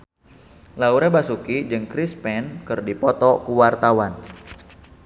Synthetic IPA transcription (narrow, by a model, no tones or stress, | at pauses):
lauɾabasukid͡ʒɨŋkɾispɛnkɨrdipɔt̪ɔkuwart̪awan